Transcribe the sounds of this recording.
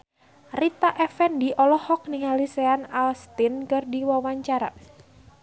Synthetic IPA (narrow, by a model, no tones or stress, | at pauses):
rit̪aʔɛfɛndiʔɔlɔhɔk̚niŋaliseanalst̪inkɨrdiwawaɲt͡ʃaɾa̰